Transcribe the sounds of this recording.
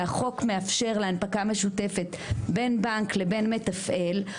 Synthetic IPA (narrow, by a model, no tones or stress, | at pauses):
aχo̞kme̞afʃe̞ʁleanpakame̞ʃute̞fe̞tbe̞nbaŋkle̞be̞nme̞tafʔe̞l